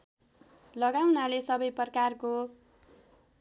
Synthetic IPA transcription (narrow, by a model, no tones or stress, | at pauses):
lʌɡawnalesʌbʌjpʌrkarko